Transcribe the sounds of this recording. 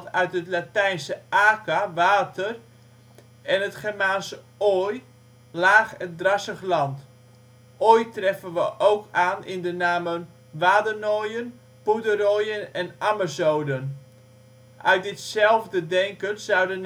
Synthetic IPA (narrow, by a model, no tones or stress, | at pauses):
œɥtətlatɛjnsəaːkaʋaːtər | ɛnətχɛrmaːnsə | oj | laːχɛndrɑsəχlɑnt | ʔoːjtrɛfənʋəʔowkʰaːnɪndənaːmən | ʋaːdənojən | pudərojənɛnaməzowdən | ʔœɥt̚dɪtsɛlˠvdədɛŋkənzawdən